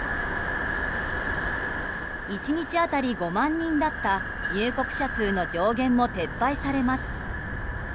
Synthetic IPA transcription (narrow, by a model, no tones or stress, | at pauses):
it͡ɕiɲ̟it͡ɕiat̪aɾʲiɡo̞mãɲ̟ːĩnd̪at̪ːa | ɲɨːko̞kɯ̟̥ɕasɨːno̞d͡ʑo̞ːɡẽ̞mːo̞t̪e̞pːaisaɾe̞masɨ̥